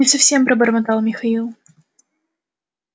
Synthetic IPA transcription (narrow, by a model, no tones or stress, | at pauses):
ɪfsɐfsʲempɾɐbəɾmɐt̪alˠmʲɪxɐilˠ